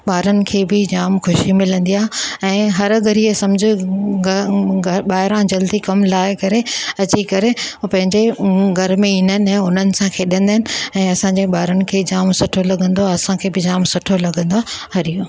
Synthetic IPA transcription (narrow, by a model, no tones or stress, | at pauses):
ɓaːɾənɪ̆kʰeːbɪd͡ʑaːmxʊʃimɪlə̃nd̪ijaːɦɛ̃ːɦɐɾɡʱɐɾiesɐ̃md͡ʑʱɪ | ɓaːɦɪɾãd͡ʑɐld̪ikɐmlaːɪkɐɾeɐt͡ɕikɐɾepɐ̃ɦɪ̃ɲd͡ʑeɡʱɐɾmẽɪːnənɪ̆ɛ̃ːʊn̤ənɪ̆sãkʰeːɗə̃nd̪aɦɪnɪ̆ɛ̃ːɐsãɲd͡ʑeɓaːɾənɪ̆kʰeːd͡ʑaːmsʊʈʰolɐɠə̃nd̪oɐsãkʰeːbɪd͡ʑaːmsʊʈʰolɐɠə̃nd̪oɦɐɾijo